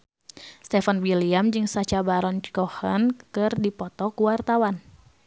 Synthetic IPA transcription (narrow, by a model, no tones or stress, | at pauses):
st̪ɛfanwiliamd͡ʒɨŋsat͡ʃabaɾɔnt͡ʃkɔhə̰nkɨrdipɔt̪ɔkuwart̪awan